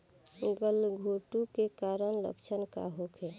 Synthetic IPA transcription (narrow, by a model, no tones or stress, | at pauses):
ɡəlɡʱoʈukekaɾənlə̰kt͡ʃʰənka̰ɦokʰe